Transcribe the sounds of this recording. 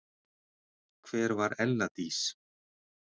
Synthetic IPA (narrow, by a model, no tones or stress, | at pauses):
kʰv̥ɛːɾvaɾɛlːat̪is